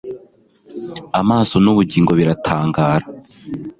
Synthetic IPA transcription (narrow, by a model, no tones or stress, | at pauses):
amaːso̞nuβuɟiːŋɡo̞βiɾatʰaːŋɡaːɾa